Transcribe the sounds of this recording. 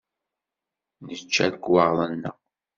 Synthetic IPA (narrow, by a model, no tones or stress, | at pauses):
nət͡ʃːæðəkwɑʁðˤənːə̰